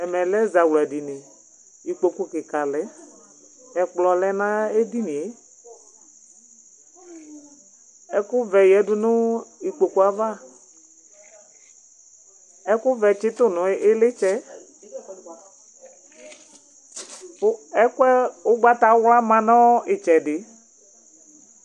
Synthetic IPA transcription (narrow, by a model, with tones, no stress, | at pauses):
ɛ˨mɛ˨lɛ˦za˨wla˨di˨nɪ˨ | i˨k͡po˨ku˦˨kɪ˨ka˨lɛ˦ | ɛ˨k͡plɔ˨lɛ˦nã˦e˦di˦ni˨e˨˦ | ɛ˦kʊ˦vɛ˨jɛ˨˦dʊ˦nʊ˦i˨k͡po˨ku˨˦a˦va˦˨ | ɛ˦kʊ˦vɛ˨t͡ʃɪ˦tʊ˦nʊ˨˦ɪ˦lɪ˦t͡ʃɛ˦ | ɛ˦kɛ˦ʊ˦ɡ͡ba˦ta˨˦wla˦mã˨nɔ˦ɪ˨t͡ʃɛ˨dɪ˨